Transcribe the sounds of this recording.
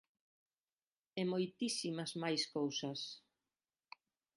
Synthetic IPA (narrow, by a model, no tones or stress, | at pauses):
ɛmojt̪isimɐzmajskowsɐs